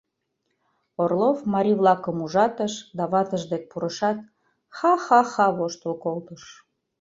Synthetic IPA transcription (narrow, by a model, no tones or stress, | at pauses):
orlofmɑɾʲiβlɑkəmuʒɑt̪əʃd̪ɑβɑt̪əʒd̪ek̚puɾəʃɑt̪̚ | xɑxɑxɑβoʃt̪əlkolt̪əʃ